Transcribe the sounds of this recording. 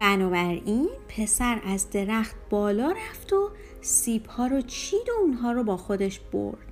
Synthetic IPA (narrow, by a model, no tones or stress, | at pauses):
bænɒːbæɾiːnpʰe̞sæɾæzd̪e̞ɾæxt̪̚b̥ɒːlɒːɾæft̪o | ssiːbhɒːɾɒt͡ʃʰiːd̪ounɦɒːɾɔbɒːxo̞d̪e̞ʃb̥o̰ɾd̪̥